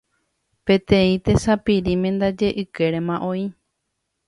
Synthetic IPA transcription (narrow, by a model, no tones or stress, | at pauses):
pẽ̞t̪ẽĩt̪e̞sapiɾimẽnd̪ad͡ʒe̞ʔɨke̞ɾemãʔõi